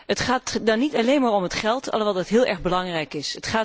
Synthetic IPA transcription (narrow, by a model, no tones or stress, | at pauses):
ətχaːtdɑnːitɑlejnmaːɹɔmɦətχɛlˠtʰɑ̰lˠʋɑtdɑtɦɪːlˠʔɛɹχbəlɑŋrɛjkɪsətχaː